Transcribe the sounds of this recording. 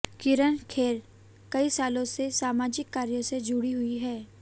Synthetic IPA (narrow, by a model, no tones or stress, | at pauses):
kɪɾənkʰeːɾ | kɐisaːlõsesaːmaːd͡ʒɪkːaːɾjosed͡ʒʊɽiɦʊiɦɛː